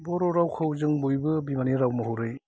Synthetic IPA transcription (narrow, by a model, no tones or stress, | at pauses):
bɔɾɔɾawkʰɯwzɯŋbujbɯbimaniɾawmɯhuɾɯj